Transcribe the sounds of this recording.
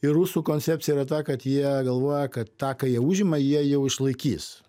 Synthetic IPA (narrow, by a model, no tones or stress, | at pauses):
ɪruːsuːkoːnʲt͡sʲæp̚ʲtt͡sʲɪjɛiɾɐt̪ɑːkɐt̪jiɛɡɐlˠʋoːjɛkɐt̪t̪ɑːkɑːjiɛuːʒʲɪmɐjiɛjɛʊɪʃlˠɐɪkʲiːs